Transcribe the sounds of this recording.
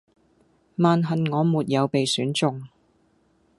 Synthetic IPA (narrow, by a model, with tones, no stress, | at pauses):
maː˨nɦɐ˨nŋɔː˨˧muː˨t̚jɐ˨˧wpe˨jsyː˨˥nt͡sʊ˨ŋ